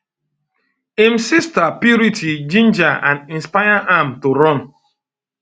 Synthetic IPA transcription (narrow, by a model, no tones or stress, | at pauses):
emsistapjuɾitʰid͡ʒĩnd͡ʒaãnĩnspajaʔamtoɾɔn